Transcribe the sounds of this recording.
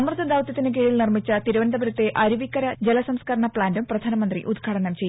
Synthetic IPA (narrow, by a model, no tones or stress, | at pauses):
ɐmrɨt̪ːɐd̪ʱaːʋt̪ːɐt̪ːinek̬eːɻilnirmit͡ɕːɐt̪iɾuʋɐnd̪ɐbɐɾɐt̪ːe̞ʔɐɾuʋikːɐɾɐd͡ʑelɐsɐmskɐɾɐɳɐpɭaːndumprɐd̪ʱaːnɐmɐnd̪rḭʔud̪̚ɡʰʱaːʈɐnɐmt͡ɕe̞j